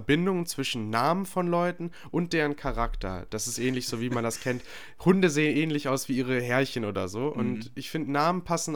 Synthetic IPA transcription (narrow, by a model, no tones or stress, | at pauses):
bɪndʊŋənt͡sv̥ɪʃn̩ːaːmənfɔnlɔʏtn̩ | ʔʊnt̚d̥eːʁ̞ənkʰaʁaktʰɐ̰d̥asɪstʔɛːnlɪçz̥oːviːmandaskʰɛnt | hʊndəzeːənʔɛːnlɪçaʊsv̥iːʔiːʁ̞əɦɛɐçənʔoːdɐzoːʔʊ̰ntɪçfɪndənaːmən̩pʰasn̩